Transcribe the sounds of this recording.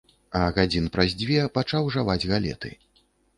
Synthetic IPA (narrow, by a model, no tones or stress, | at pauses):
ɐɣad͡zʲinpɾazʲd͡zʲvʲɛpat͡ʂawʐavad͡zʲɣalʲɛ̰t̪ɨ̰